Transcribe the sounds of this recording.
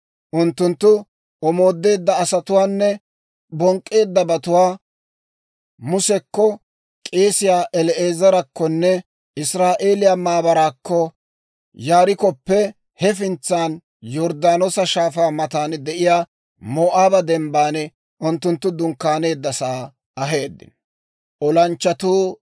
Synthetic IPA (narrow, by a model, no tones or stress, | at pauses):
ʔʊnt̪ːʊnt̪ːʊ | ʔɔmo̞ːd̪ːe̞ːd̪ːɐːsɐt̪ʊwaːnːɛ | bɔŋkʼːe̞ːd̪ːɐbɐt̪ʊwaː | mʊsɛkːɔ | kʼeːsɪjaːʔɛlɛe̞ːzɐɾɐkːɔnːɛ | ɪsɾaːʔe̞ːlɪjaːmaːbɐɾaːkːɔ | jaːɾɪkɔpːɛ | hɛf̬ɪnt͡sːaːn | jɔɾd̪aːnosɐʃaːfaːmɐt̪aːnd̪ɛʔɪjaː | mɔːʔaːbɐd̪ɛmbaːnɛ | ʔʊnt̪ːʊnt̪ːʊd̪ʊŋkːaːne̞ːd̪ːɐsaː | ɐɦe̞ːd̪ːɪ̰n | ʔɔlɐnt͡ʃːɐt̪uː